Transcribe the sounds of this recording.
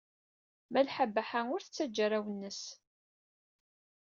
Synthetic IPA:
mælħabːaħanʊɾθt͡sːæd͡ʒːɾˤawənːəs

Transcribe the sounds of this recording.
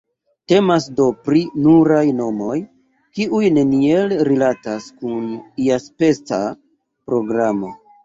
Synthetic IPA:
te̞masdo̞pɾinuɾajno̞mo̞j | kiʔujne̞nielɾilataskuniaspe̞t͡sa | pɾo̞ɡɾamo

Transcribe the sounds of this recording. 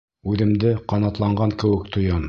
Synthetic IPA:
ʉðɘ̆md̪ɘqɑnɑt̪lˠɑɴɢɑŋkɘ̆wɘ̆k̚t̪ʰŏjɑn

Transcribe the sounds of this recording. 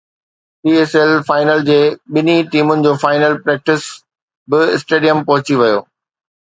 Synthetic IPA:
siːeːsɛlfaːɪnəld͡ʑeːɓɪniʈiːmʊnɪ̆d͡ʑoːfaːɪnəlpɾɛːk̚ʈɪs | bɪɪsʈeːɖijəmpɐɦʊt͡ɕiʋɪjo̰ː

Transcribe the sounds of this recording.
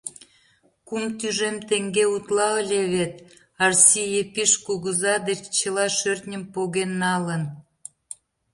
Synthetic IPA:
kumt̪yʒemt̪eŋɡeut̪lɑəlʲeβet̪ | ɑrsʲijepiʃkuɣəzɑd̪et͡ɕt͡ɕə̆lɑʃørt̪nʲəmpoɣenːɑlən

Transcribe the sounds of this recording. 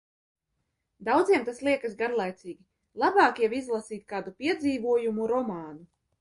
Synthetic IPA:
d̪awd̪ziɛmt̪aslˠiɛkasɡaɾlˠajt̪siːɡʲi | lˠabɑːkijavizlˠasiːt̪̚ʲkaːd̪upiɛd̪ziːvuɔjumuɾɔmaːnu

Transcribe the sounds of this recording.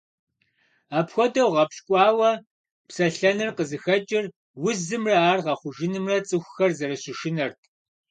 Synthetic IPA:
aːpxʷɔdɐwʁɐpɕkʷʼɑːwɐ | psɐɬɐnɨrqəzɨxɐt͡ʃʼɪr | wʊzɨmrɐaːrʁɐχʷʊʒɪnɨmrɐt͡sʼɨxʷʊxɐrzɐɾɐɕɪʃɪnɐrtʰ

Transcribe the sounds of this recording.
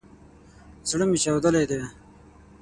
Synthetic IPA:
zɽəmit͡ɕawd̪əled̪eː

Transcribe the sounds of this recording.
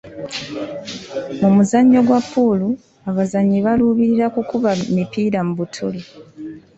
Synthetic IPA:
mumuzaɲːo̞ɡwapːulu | aβazaɲːiβaluːβiɾiɾakukuβamipiːɾamuβutʰuli

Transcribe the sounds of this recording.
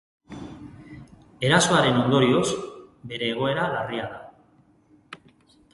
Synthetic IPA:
e̞ɾaso̞aɾe̞no̞nd̪o̞ɾio̞sbe̞ɾe̞ːɣ̞o̞e̞ɾalariaða

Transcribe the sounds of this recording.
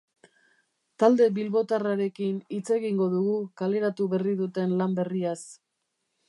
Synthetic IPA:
t̪ald̪e̞bilβo̞t̪araɾe̞kinit͡se̞ɣiŋɡo̞ðuɣ̞ukale̞ɾat̪uβe̞riðut̪e̞nlambe̞rias

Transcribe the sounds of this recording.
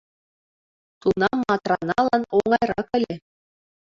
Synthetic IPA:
t̪unɑmːɑt̪rɑnɑlˠɑnoɴɑjɾɑkɘ̆lʲɘ̆

